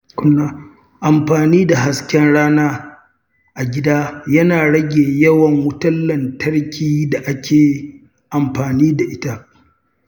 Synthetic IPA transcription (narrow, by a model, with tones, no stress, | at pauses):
kʷʊ˦nːaː˦ | ʔa˨mɸaː˨niː˦da˨ɦa˨skʲɛ˦nɽaː˦naː˦ | ʔa˨ɡʲɪ˦daː˦jɐ˦naː˨ɽɐ˦ɡʲeː˨jɐ˦wɐ˨ŋwʊ˦tɐ˦lːɐ˨ntɐ˦ɽkʲiː˦da˨ʔa˦kʲʰeː˨ | ʔa˨mɸaː˨niː˦da˨ʔɪ˦ta˦ʔ